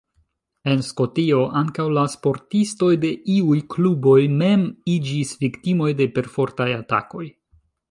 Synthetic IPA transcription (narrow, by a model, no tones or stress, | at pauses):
e̞nsko̞tio̞ʔaŋkawlaspo̞ɾtisto̞jde̞ʔiujklubo̞jme̞mid͡ʒisviktimo̞jde̞pe̞ɾfo̞ɾtajata̰ko̞j